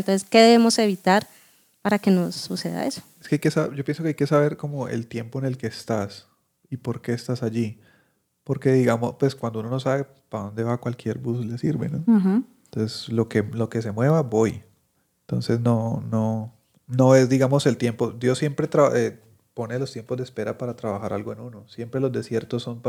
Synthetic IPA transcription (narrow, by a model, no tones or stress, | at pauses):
nt̪onseske̞ðe̞βemo̞se̞β̞it̪aɾ | paɾake̞no̞sːuse̞ða̰eso̥eskeajkesaɟ͡ʝopjensokeajke̞saβe̞ɾko̞mo̞e̞̰lt̪je̞mpo̞ene̞lke̞ːst̪as | ipo̞ɾke̞ːst̪asaʝi | po̞ɾke̞ðiɣamospwe̞skwand̪ounono̞saβe̞ | paðo̞nd̪e̞βakwalkje̞ɾbusle̞siɾβe̞̰no | t̪onseslo̞kelo̞ke̞s̬e̞mwe̞βabo̞j | ent̪o̞nse̞sno̞no | no̞e̞zd̪iɣamo̞se̞lt̪je̞mpo̞d̪jo̞sːje̞mpɾe̞t̪ɾaβe | po̞ne̞lo̞st̪je̞mpo̞zd̪espe̞ɾapaɾat̪ɾaβaxaɾʔa̰lɡoe̞nuno̞sje̞mpɾe̞lo̞zd̪e̞sje̞ɾt̪osːo̞mp